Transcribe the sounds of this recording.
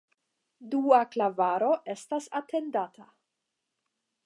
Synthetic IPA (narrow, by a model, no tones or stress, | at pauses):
duaklavaɾo̞ʔe̞stasatʰe̞ndatʰa